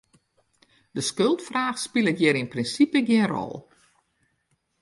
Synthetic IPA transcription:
d̥əskølˠtfraːxspilˠətjɪɾinprinsipəɡjɪnrɔ̰lˠ

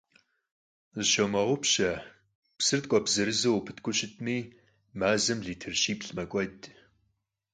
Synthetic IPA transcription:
zɨʃowmɐʁʷʊpɕɐ | psɨrt̚kʷʼɔbzɨɾɨzɐwpʰɨ̥tʰkʷʰʼʊɕɪtʰʼniː | maːzɐmɮiːtʰɪrʃiːpɬmɐkʷʼɔdʼ

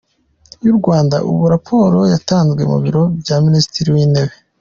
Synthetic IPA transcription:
juɾɡwaːndaʔṵβuɾapʰo̞ːɾo̞jataːnzɡwe̞mṵβiɾo̞bjaminisi̥tiɾiwiːne̞βe̞

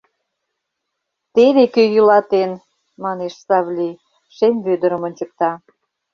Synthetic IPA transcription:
t̪eβekøjulɑt̪en | mɑneʃsɑβlʲi | ʃemʲβød̪əɾəmŏnʲt͡ɕək̚t̪ɑ

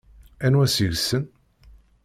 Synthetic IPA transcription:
ænwæsiʝsən

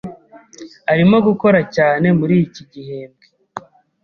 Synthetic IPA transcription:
aɾimo̞ɡuko̞ɾacaːne̞muɾijiciɟihe̞ːmbɡe

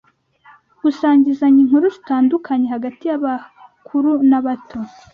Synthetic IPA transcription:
ɡ̥usaːɲɟizaɲiŋhuɾuzitaːndukʰaɲe̞haɡatijaβakʰuɾunaβatʰo

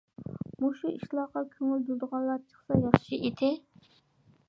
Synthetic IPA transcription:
muʃuiʃlˠɑqɑkʲʰøŋyld̪ulˠd̪əʁɑnlˠːɑt͡ʃʰə̥χsɑjɑχʃiʔet̪ʰɪ

